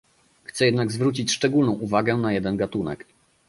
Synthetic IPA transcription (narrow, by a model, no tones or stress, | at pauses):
xt̪sɛjɛd̪naɡzvɾut͡ɕit͡ɕʂt͡ʂɛɡulnɔ̃w̃ʔuvaɡɛnajɛd̪ɛnɡat̪unɛ̰k